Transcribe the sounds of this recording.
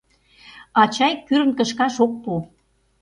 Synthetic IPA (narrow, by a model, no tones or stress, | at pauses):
ɑt͡ɕɑjkyɾənkəʃkɑʃok̚pu